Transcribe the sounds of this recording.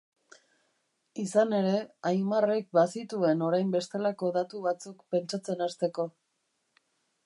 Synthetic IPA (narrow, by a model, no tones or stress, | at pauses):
isane̞ɾe̞ajmarek̚basit̪ue̞no̞ɾajmbe̞st̪elako̞ðat̪uβat͡sukpe̞nt͡ʃat͡se̞nast̪e̞ko̞